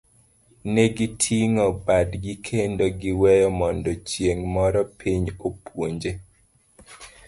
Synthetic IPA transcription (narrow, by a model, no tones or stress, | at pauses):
nɛɡitʰiŋɔbadɡikʰendoɡɪwɛjɔmɔndɔt͡ʃjeŋmɔɾɔpʰiɲopwoɲd͡ʒe